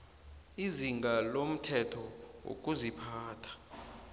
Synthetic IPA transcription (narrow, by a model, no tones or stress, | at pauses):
iziŋɡalom̩tʰɛtʰɔwo̰k̬ʼuzipʰaːtʰḁ